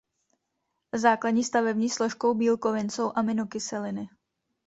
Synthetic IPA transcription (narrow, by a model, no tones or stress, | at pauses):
zaːkladɲiːst̪avɛbɲiːslo̞ʃko̞wbiːlko̞vɪnso̞wʔamɪnokɪsɛlɪnɪ